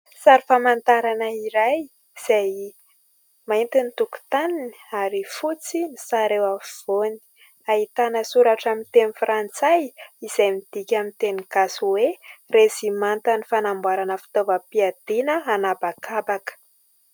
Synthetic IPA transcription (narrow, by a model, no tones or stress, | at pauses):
saɾifamant̪aɾanəiɾaj | iz̥aj | mant̪init̪uku̥t̪aniniaɾifut͡sinisaɾewav̥oni̥ | ait̪anəsuɾaʈ͡ʂamint̪enifrant͡sajiz̥ajmid̪̥ikʲamint̪eniɡasuweresimant̪ənifanambwaɾanəfi̥t̪ovəpiad̪̥inəanabakʰabakə̥